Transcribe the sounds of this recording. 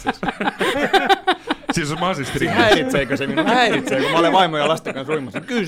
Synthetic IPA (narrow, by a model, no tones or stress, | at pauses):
s | sisomɑɑsesrihæirit̪seːkøsemninuuhæirit̪seːkomæoleʋɑimojɑlɑst̪ekɑnsruimɑsɑky